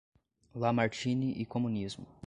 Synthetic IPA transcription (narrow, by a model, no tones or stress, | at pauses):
lamaɾt͡ʃĩniʔɪkõmũnizmʊ